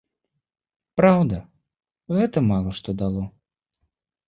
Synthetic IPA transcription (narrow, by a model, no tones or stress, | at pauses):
pɾawd̪ɐ | ɣɛt̪ɐmalˠɐʂt̪ɔd̪alˠɔ